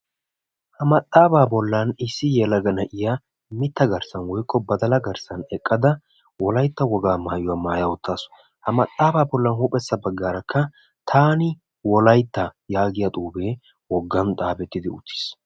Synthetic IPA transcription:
hɐmɐt̪ʼːaːbaːbɔlːɐnɪsːɪjɛlɐɡɐnɐʔɪja | mɪt̪ːɐɡɐɾsɐnwɔjkʼːɔbɐd̪ɐlɐɡɐɾsɐnɛkʼːɐd̪ɐ | wɔlɐjt̪ːɐwɔɡaːmaːjʊwamaːjawʊt̪ːaːsɔ̥ | hɐmɐt̪ʼːaːbaːbɔlːɐnhʊpʼɛsːɐbɐɡːaːɾɐkʰːɐ | t̪ʰaːnɪ | wɔlɐjt̪ːɐjaːɡɪjɐt̪ʼuːbeː | wɔɡːɐnt̪ʼaːbɛt̪ːɪd̪ɪʊt̪ːi̥s

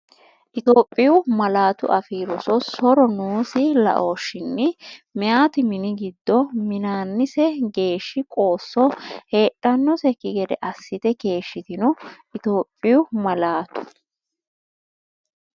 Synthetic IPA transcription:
ʔɪt̪o̞ːpʼːɪjʊmɐlaːt̪ʊ̰ʔɐfiːɾɔsɔsɔɾɔnoːsɪlɐ̰ʔo̞ːʃːɪnːɛmɪjaːt̪ɪmɪnɪɡɪd̪ːɔmɪnaːnːɪsɛɡe̞ːʃːɪkʼo̞ːsːɔhe̞ːʔʼːɐnːɔsɛkːɪɡɛd̪ɛ̰ʔɐsːɪt̪ɛke̞ːʃːɪt̪ɪnɔʔɪt̪o̞ːpʼːɪjʊmɐlaːt̪ʊ̥

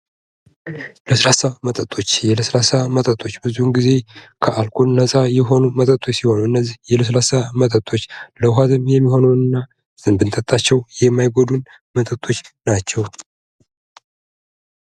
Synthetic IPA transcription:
ləsəlasamət̪ʼət̪ʼo̞t͡ʃːjɛləsəlasamət̪ʼət̪ʼo̞t͡ʃːbɨzunɡize̞kʰəalkʰʼonləsʼajɛɦo̞numət̪ʼət̪ʼo̞t͡ʃːsiho̞nwɨnːəzihjɛləs̬əlasamət̪ʼət̪ʼːo̞t͡ʃːləɦazɨmjɛmːiho̞nəwnɨnːa | z̥ɨnbɨnt̪ʰʼət̪ʼːat͡ʃːɛwjɛmːajɡod̪un | mət̪ʼət̪ʼo̞t͡ʃːnat͡ʃːɛw

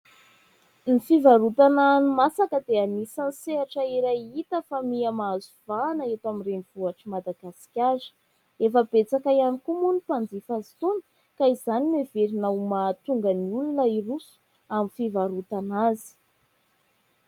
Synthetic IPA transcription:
nifivaɾut̪ananumasakəd̪eanisanseaʈ͡ʂəiɾajit̪əfamiamaazuv̥anaet̪aminreniv̥uaʈ͡ʂimad̪aɡasi̥kʲaɾə̥ | efəbet͡sakajanikumunipand͡zifazi̥t̪unə̥ | kaizanineveɾinawmat̪uŋɡəniulunəiɾusu̥ | aminfivaɾut̪anazi̥

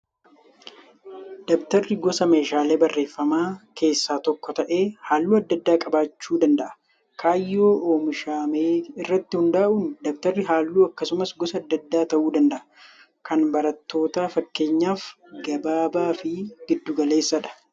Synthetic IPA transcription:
d̪ɐkt̪ɐrːɪɡɔsɐme̞ːʃaːle̞ːbɐrːe̞ːfːɐmaːkʰe̞ːsːaːt̪ɔkːɔt̪ɐʔeːhaːlːuːɐd̪ːɐd̪ːaːkʼɐbaːt͡ʃːuːd̪ɐnd̪ɐʔɐ̥ | kʰaːjːo̞ːʔoːmɪʃaːmeːɪrːɐt̪ːɪhʊnd̪ɐʔɐʔuːnd̪ɐk̚t̪ɐrːɪɦaːlːuːɐkːɐsʊmɐsɡɔsɐːd̪ːɐd̪ːaːt̪ɐʔuːd̪ɐnd̪ɐʔɐ | kɐnbɐɾɐt̪ːo̞ːt̪aːfɐkːe̞ːɲːaːf | ɡɐbaːbaːfɪɡɪd̪ːʊɡɐle̞ːsːɐᶑɐ̥

